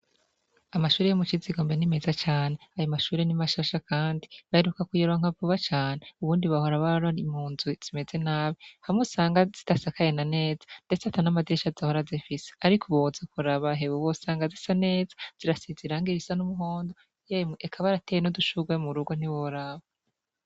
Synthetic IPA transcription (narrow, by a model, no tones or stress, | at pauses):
amaʃuːɾejomut͡ʃiziɡoːmbenime̞zat͡ʃaːne̞ajomaʃuːɾenimaʃaʃakaːndiβaheɾukakujeɾuaŋ̥avuβat͡ʃaːneuβuːndiβahoɾaβaɾaimuːnziz̥ime̞ze̞naːβehamusaːŋɡaz̥itasakaje̞nane̞ːzḁnde̞t͡seatanamadiɾeʃazdahoɾazifise̥aɾikʰuβozakuɾaβaɦeβuwosaːŋɡazisane̞ːzaz̥iɾasiziɾaŋɡiɾisanumuɦo̞ːndo | jeekʰaβaɾatejenoduʃuɡwemuɾuɡwon̥iβoɾaβa